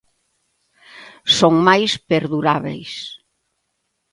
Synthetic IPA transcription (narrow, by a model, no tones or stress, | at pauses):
soŋmajspeɾðuɾaβḛjs